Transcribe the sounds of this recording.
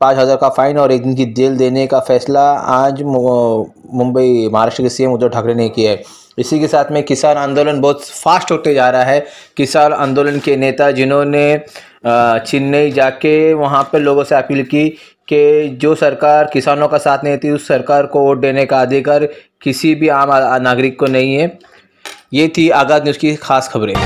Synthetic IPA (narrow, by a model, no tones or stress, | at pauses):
pãːt͡ʃɦɐzaːɾkafaːɪnɔːɾeːk̚d̪ɪnkid̪eːld̪eːnekafɛːslaaːd͡ʒ | mʊ̃mbəimɐɦaɾaːʃʈɾəkesijɛmʊd̪ːəɖʱɐkɾeneĩkiɦɛː | ɪsikesaːt̪ʰmẽkɪsaːnãːnd̪oːlənbɔːt̪faːsʈoːt̪ed͡ʒaːɾɦaɦɛː | kɪsaːnã̰ːnd̪oːlənkeneːt̪ad͡ʒɪnɦõne | t͡ʃɪnːɐid͡ʒaːkeʋɐɦãpɐloːɡõseɐpiːlki | ked͡ʒoːsɐɾkaːɾkɪsaːnõkasaːt̪ʰnɐ̃ɦt̪ʰiʊsːɐɾkaːɾkooːʈ̚ɖ̪eːnekaaːd̪ekɐɾ | kɪsibʱiaːmnaːɡɾɪkːonɐɦĩɦɛː | jeːt̪ʰiaːɡaːd̪niːskixaːsxɐbɾẽː